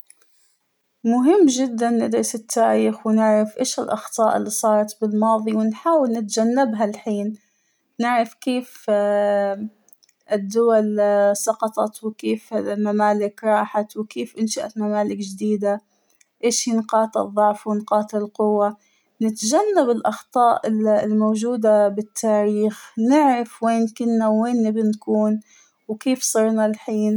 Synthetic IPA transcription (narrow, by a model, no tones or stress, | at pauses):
mʊɦɪmːd͡ʒɪd̪ːanːɪd̪ɾɑsɪt̪ʰːaːɾiːxwɪnɪʕɾˤɑfʔeːʃɪlʔɑxt̪ˤɑːʔɪ̰lːisˤɑːɾˤɑt̪bɪlmɑːðˤiwɪnħaːwɪlnɪt̪d͡ʒanːɪbɦalħiːn | nɪʕɾˤɑfkeːf | ɪd̪ːʊwalsˤɑqɑt̪ˤɑt̪wɪkeːfmamaːlɪkɾˤɑːħat̪wɪkeːfʔɪnʃaʔat̪mamaːlɪkd͡ʒd̪iːd̪a | ʔeːʃhiːnqɑːt̪ˤɨ̰ðˤːʊʕfwɪnqɑːt̪ˤɪlqʊwːa | nɪt̪ʒanːabɪlʔɑxt̪ˤɑːʔɪlmoːʒuːd̪abɪt̪ʰːaːɾiːxnɪʕɾɑfweːnkɪnːawːeːnːɪbɪnkuːn | wkeːfsˤɨɾˤnalħiːn